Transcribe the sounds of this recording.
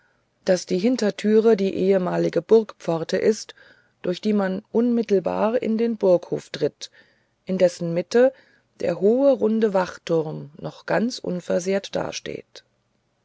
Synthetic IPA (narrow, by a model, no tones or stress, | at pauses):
d̥asd̥iːɦɪntɐtʰyːʁ̞ədiːʔeːəmaːlɪɡəbʊɐkpp͡fɔʁtʰə̰ʔɪst | d̥ʊɐçd̥iːmanʔʊnmɪtl̩ba̰ːʁɪ̰ndeːnbʊɐkho̰ːftʁ̥ɪt | ʔɪndɛsn̩mɪtə | d̥ḛːɐɦoːəʁʊndəvaχtʰʊʁmnɔχɡ̥ant͡sʔʊ̰nfɛɐzeːɐtd̥a̰ːɐʃtḛːt